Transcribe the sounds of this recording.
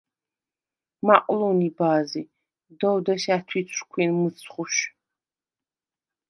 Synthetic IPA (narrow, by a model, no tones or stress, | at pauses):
maqʼlɔnibaːzi | d̪ɔwd̪ɐʃatʰwit͡sʷʰʼkʷʰiːnmɨt͡sʰʼχʊʃ